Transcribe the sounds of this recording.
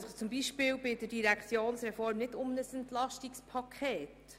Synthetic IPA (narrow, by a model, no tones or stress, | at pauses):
sət͡sʊmbiʃpɪːwbɪdəd̥iɾækʰt͡sjoːnsɾɛfɔɾmnɪdʊmnəsɛntlɑʃtikspʰɑkʰχɛːt